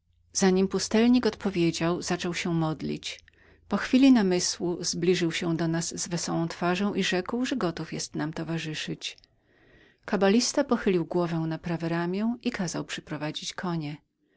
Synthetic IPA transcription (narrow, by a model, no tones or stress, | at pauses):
z̥aɲimpust̪ɛlɲikɔt̪pɔvʲjed͡ʑawzat͡ʂɔwɕɛmɔd̪lʲḭt͡ɕ | pɔxfʲilʲinamɘswuz̥blʲiʐɘwɕɛd̪ɔnazːvɛsɔwɔ̃w̃t̪faʐɔ̃w̃ʔiʐɛkwʐɛɡɔt̪ufjɛst̪namt̪ɔvaʐɘʂɘt͡ɕ | kabalʲist̪apɔxɘlʲiwɡwɔvɛw̃napɾavɛɾamʲjɛ̃ikʰazawpʂɛ̥pɾɔvad͡ʑit͡ɕkʰɔɲɛ